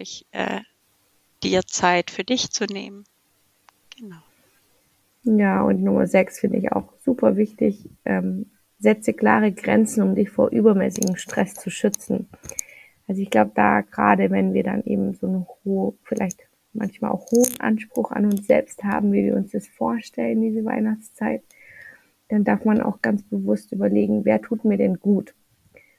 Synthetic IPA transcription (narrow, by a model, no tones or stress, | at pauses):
lɪçʔɛ̰ː | d̥iːɐt͡saɪtfyːɐdɪçt͡sunḛːmən | ɡ̥ənaʊ | jaːʔʊ̰ntnʊmɐ̰zɛksfɪndə̰ɪ̰ça̰ʊxz̥uːpʰɐvɪçtɪçʔɛːm | z̥ɛt͡səkl̥a̰ːʁ̞əɡʁɛ̰nt͡sn̩ʊmdɪçfoːɐʔyːbɐmɛ̰ːsɪɡŋ̩ʃtʁ̥ɛst͡suʃʏt͡sn̩ | ʔalzoɪçɡ̥laʊbəd̥a̰ːɡ̥əʁa̰ːdəvɛnviːɐda̰nʔeːbm̩zoːnːfɪlʔa̰ɪçt | mʔa̰nçmaːlʔa̰ʊxhoːənʔa̰nʃpʁ̥ʊxa̰nʊnsz̥ɛ̰lpstha̰ːbm̩viːviːɐʊnsd̥asfoːɐʃtʰɛləndiːzəva̰ɪnaχt͡st͡saɪt | d̥andaɐfmanʔa̰ʊxɡ̥ant͡sb̥əvʊstʔyːbɐleːɡŋ̩veːɐtʰuːtmiːɐdɛnɡuːt